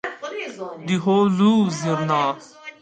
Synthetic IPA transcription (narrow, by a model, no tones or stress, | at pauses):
d̪iɦoːluːziɾnaː